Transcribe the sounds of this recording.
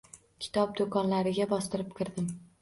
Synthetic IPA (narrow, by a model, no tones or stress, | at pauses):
kʲʰɪ̥t̪ʰɒp̚d̪okʰɒnlaɾɪɡʲabɒst̪ɪɾɪp̚kʰɪɾd̪ɪm